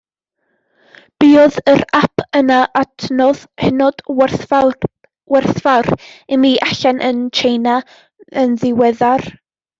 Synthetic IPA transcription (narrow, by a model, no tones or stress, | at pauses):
b̥iːɔðəɾapʰənaʔatʰnɔðhɪnɔd̥ | wɛrθvaɾimiːʔaɬɛnʔə̰nt͡ʃʰejna | ənðɪwɛðar